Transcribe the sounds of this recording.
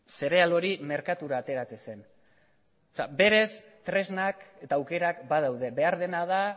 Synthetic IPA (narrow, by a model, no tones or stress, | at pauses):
se̞ɾe̞alo̞ɾime̞ɾkat̪uɾaːt̪e̞ɾat͡sese̞n | sa̰be̞ɾe̞s | t̪ɾe̞znaket̪aːwke̞ɾakbað̞awð̞e̞βe̞aɾðe̞nað̞a